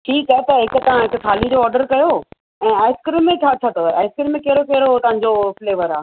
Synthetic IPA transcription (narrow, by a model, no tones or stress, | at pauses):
ʈʰiːkaːɦet̪ɐɦɪkt̪ɐʋ̤ãɦɪkt̪ʰaːlid͡ʑoɔːɾɖəɾkɐjo | ɛ̃ːaːɪskɾimːẽt͡ɕʰat͡ɕʰɐt̪ʰoaːɪskɾimːẽkeɦɪɾokeɦɾoɦt̪ɐʋ̤ãɲd͡ʑofleːʋəɾaː